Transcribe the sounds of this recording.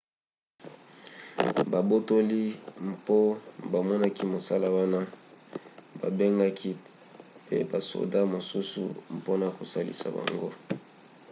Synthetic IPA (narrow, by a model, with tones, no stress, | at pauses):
ba˨bo˦to˦li˦mpo˦ba˨mɔ˦na˦ki˦mo˨sa˦la˦wa˦na˦ | ba̰˨be˦ŋɡa˦kʰi˦ | pḛ˦ba˨so̰˨da˦mo˨su˦sṵ˨mpo˦na˨ko˨sa˦lḭ˨sa̰˨ba̰˨ŋɡo˦